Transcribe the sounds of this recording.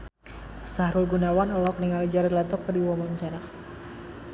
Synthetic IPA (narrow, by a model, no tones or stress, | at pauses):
sahɾulɡunawanɔlɔɔk̚niŋalid͡ʒaɾirlant̪ɔkːərdiwɔmɔɲt͡ʃanak